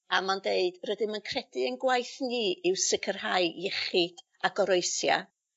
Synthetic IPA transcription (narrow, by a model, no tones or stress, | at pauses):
amandeɨd̥rədɪmənkʰrɛdɨənɡwajθniːʔɪwsɪkʰərɦaɨjɛχɨd̥ | aɡɔɾoɨsja̰